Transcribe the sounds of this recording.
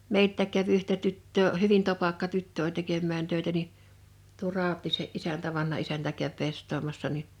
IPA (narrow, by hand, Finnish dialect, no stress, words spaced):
meiltːæˑk̆ kæʋ yhtæ tytːøː hyʋin topɑkːɑ tytːø olʲ tekemːæːn tøˑetæ ni tuo rɑˑotˑiːseʔ ʔisæntæ ʋɑnhɑ isæntæ kæʋ pestˑoːmɑsːɑ ni